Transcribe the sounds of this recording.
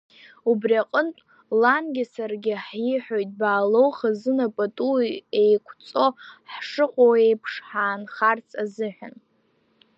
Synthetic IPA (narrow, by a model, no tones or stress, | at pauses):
ubriaqʼəntʼ | lanɡʲasarɡʲɪħiħᶣojtʼbaːlowχazɨnapʼatʼuejkʷʰt͡sʼo̞ħʂɨqʷʼowejpʰʂħaːnχart͡sʰʼazɨħʷᶣa̰n